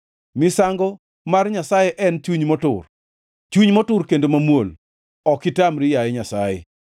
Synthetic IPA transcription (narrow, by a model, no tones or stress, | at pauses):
mɪsaŋɡɔ | marɲasajɛʔɛnt͡ʃwuɲmɔtʊ̰r | t͡ʃwuɲmɔtʊrkendomamwol | ɔkɪtamɾɪjajɛɲasajɛ̰